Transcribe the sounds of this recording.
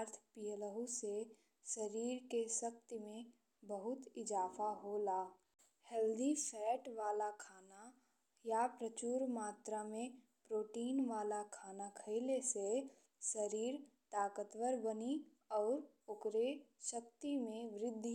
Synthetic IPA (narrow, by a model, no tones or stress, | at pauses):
ɾt̪ʰpijələɦuse | səɾiːɾkesək̚t̪imẽ | bəɦʊt̪ɪd͡ʒaːfʰaɦolaː | hɛːld̪ʱisɛːʈʋaːlakʰaːna | japɾət͡ʃuːɾmaːt̪ɾamẽ | pɾoːʈiːnʋaːlakʰaːnakʰəɪlese | səɾiːɾt̪aːkət̪wəɾbəni | ɔːɾ | okɾeʃək̚t̪imẽʋɾɪd̪ʱː